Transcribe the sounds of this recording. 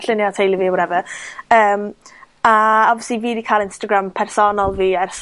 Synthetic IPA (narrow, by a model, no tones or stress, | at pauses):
ɬɪnjɔtʰejlˠiviːwɔɾɛvəəːm | aɔvɪsiviːdikʰaːlˠɪnstaɡɾampʰɛrsɔnɔlˠviːɛrs